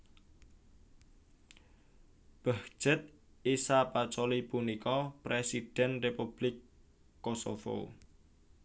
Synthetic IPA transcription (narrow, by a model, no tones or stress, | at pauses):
b̥a̤hʒ̥ət̪̚ | isapat͡ʃolipunikɔpɾesid̥ɛ̤nrepub̥lɪkː | oso̰fo̰